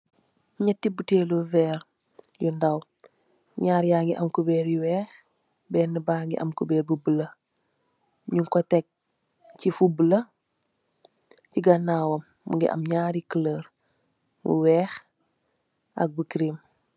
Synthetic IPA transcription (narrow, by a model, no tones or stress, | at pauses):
ɲɛtːibuteluvɛːɾ | jundaw | ɲaːɾjaːŋɡiʔɐmkubɛːɾjiwɛːx | bɛːnːəbaːŋɡḭʔɐ̰mkubɛːɾbubələ | ɲuŋkɔtɛk̚ | cifubələ | ciɡɐnawɐmːṵŋɡḭʔɐ̰mɲaːɾikələɾ | mṵwɛːx | ʔɐ̰k̚bukɾim